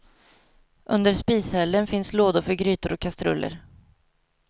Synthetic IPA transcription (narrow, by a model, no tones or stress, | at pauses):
ʔɵnd̪əɾʂpiːshɛld̪ənfɪnsloːd̪ʊɾfœɾɡɾyːt̪ʊɾʔɔkʰːast̪ɾɵ̰lːə̰ɾ